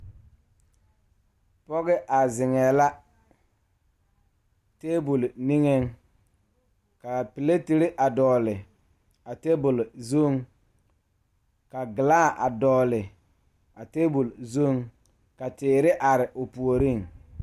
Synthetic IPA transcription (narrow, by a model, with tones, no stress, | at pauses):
pɔ˦ɣɛ˦ʔa˨zɪ˨ŋɛː˨la˦ | teː˦bu˨lni˦ŋe˦ŋ | ka˨pi˨le˦ti˨ɾi˦ʔa˨dɔː˨lɪ˨ | a˨te˦bʊ˨lzo˦˨ŋ | ka˨ɡɪ˨laː˦˨ʔa˨dɔː˨lɪ˨ | a˨teː˦bu˨lzo˦˨ŋ | ka˨tɪː˨ɾɪ˦ʔa˨ɾɪ˨ʔʊ˨pu˨o˨ɾi˦˨ŋ